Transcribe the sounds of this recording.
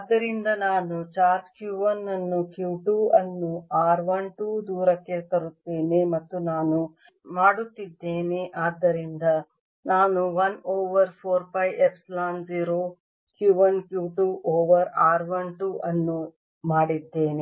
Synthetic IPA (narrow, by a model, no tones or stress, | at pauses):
aːd̪ːɐɾind̪ɐnaːnut͡ʃaːɾskjuːʋɐnːɐnːukjuːʈuːɐnːuaːɾʋɐɳʈuːd̪uːɾɐkːet̪ɐɾut̪ːeːnemɐt̪ːunaːnu | maːɽut̪ːid̪ːeːneʔaːd̪ːɐɾind̪ɐ | naːnuʋɐnoːʋɐɾpʰoːɾpɐjepslaːnziːɾoː | kjuːʋɐnkjuːʈuːʔoːʋɐɾaːɾʋɐɳʈuʔɐnːu | maːɽid̪ːe̞ːne